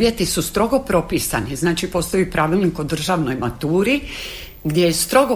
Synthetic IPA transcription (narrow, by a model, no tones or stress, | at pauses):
jet̪isust̪ɾo̞ɡo̞pɾo̞piːsa̰niznaːt͡ʃipo̞st̪oipɾaʋilˠnikod̪r̩ʒaːʋno̞jmat̪uːɾi | ɡd̪jejest̪ɾo̞ɡo